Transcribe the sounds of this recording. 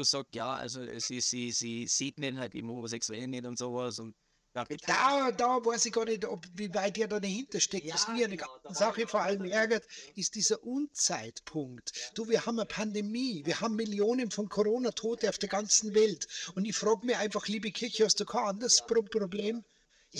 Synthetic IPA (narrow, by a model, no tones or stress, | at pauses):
uːsɑːkstja̰ːʔa̰lzo̰siz̥iz̥iːz̥iːtnenhaltɪ̰ɡm̩osɛksuɛlnːɛtʊntz̥oːvasʊnt | jaːd̥adɑːvaɪsɪɡɑːɐnɛtopviːvaɪt̚eːɐdɑːdɐhɪntɐʃtɛk̚tastmiɐanɐɡan̩zaχəfoːɐʔaləmʔɛɐɡɐtɪst̚d̥iːzɐʔuːnt͡saɪtpʰʊŋktd̥uːviːɐhaːbməpʰandemiːviːɐhaːbm̩ːɪljoːnənfɔnkʰoʁoːnatʰoːtəaʊfd̥eːɐɡant͡sn̩vɛltʊndɪçfʁɑːɡəmiʔaɪnfɑχliːbəkʰɪɐçəhɑst̚d̥uːkʰɑːandɐspʁopʁobleːm